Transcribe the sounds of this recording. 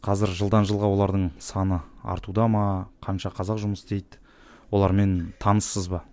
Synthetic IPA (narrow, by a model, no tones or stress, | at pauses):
qʰɑzɪɾʒəlˠd̪ɑnʒəlˠʁɑwo̞lˠɑɾd̪əɴsɑnəɑ̰ɾt̪ud̪ɑmɑqʰɑnʃɑqʰɑzɑqʒʊməst̪e̞jd̪ɪ | wo̞lˠɑɾme̞nt̪ʰɑnəsːəzbɑ